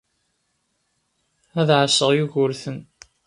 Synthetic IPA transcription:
æðʕəsːəʁjuʝʊɾθən

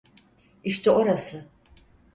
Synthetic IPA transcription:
iʃt̪ʰɛo̞ɾasɯ

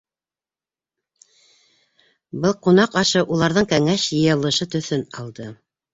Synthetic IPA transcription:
bɤlˠqunɑqɑʃɤʔulˠɑɾðɤɴkæŋæɕjɤ̆jɤ̆lˠɤ̆ʃɤt̪ɵ̆θɵnɑ̰lˠd̪ɤ

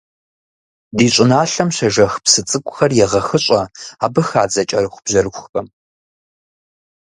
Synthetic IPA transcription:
diːɕʷʼɪnaːɬɐmɕɐʒɐxpsɨt͡sʼɨkʷʼʊxɐrjɛʁɐxɨɕʼɐaːbɨxaːd͡zɐt͡ʃʼɐrɨxʷʊb̥ʑɐrɨxʷxɐm

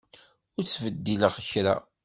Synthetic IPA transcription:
ʊɾt͡sːvəd̪ːiləʁəçɾa̰

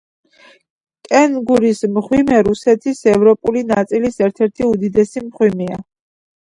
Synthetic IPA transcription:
kʼɛnɡuɾismχwimɛɾusɛt̪ʰisɛvɾɔpʼulinat̪sʼilisɛɾt̪ʰɛɾt̪ʰiud̪id̪ɛsimχwimia

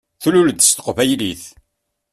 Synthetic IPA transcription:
θululd̪st̪ə̥qvæjliθ

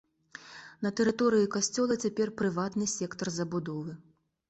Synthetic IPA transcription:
nɐt̪ɛɾɨt̪ɔɾɨjikasʲt͡sʲɔlˠɐt͡sʲapʲɛrpɾɨvat̪nɨsʲɛkt̪ɐrzɐbud̪ɔvɨ

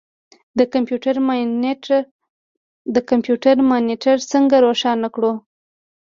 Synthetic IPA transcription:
d̪əkampjuʈaɾmn | d̪əkampjuʈaɾmɑniʈaɾsəŋɡaɾoʃɑnakɽu

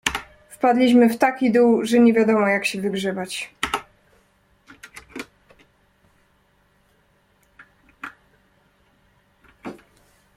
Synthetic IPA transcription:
fpad̪lʲiɕmɘft̪akʲid̪uwʐɛɲɛvʲjad̪ɔmɔjakɕɛvɘɡʐɛbat͡ɕ

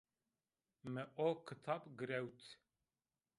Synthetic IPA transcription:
mɨʔokʰɨt̪ʰɑbɡɨɾɛwt̪ʰ

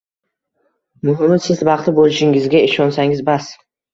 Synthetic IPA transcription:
mʊɦɪmɪsɪzbɑqt̪ʰɪbolˠɪʃɪŋɪzɡʲaɪʃɒnsaŋɪzbas

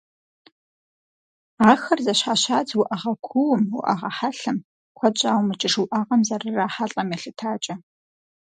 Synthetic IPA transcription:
aːxɐrzɐɕħaɕaːd͡zwʊʔɐʁɐkʷʰuwʊmwʊ̰ʔɐ̰ʁɐ̰ħaɬɨm | kʷʰɔt͡ʃʼaːwmɨt͡ʃʼɪʂwʊʔaːʁɐmzɐrɨraːħaɬʼɐmjɛɬɨtʰaːt͡ʃʼɐ

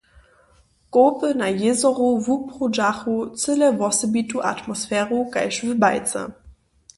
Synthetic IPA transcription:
ɡ̥oːpənajezɔʁovupʁod͡ʒaχot͡sɪləvɔsəbituʔa̰tmosfɛːʁokaɪʃvəbaɪt͡sə̰

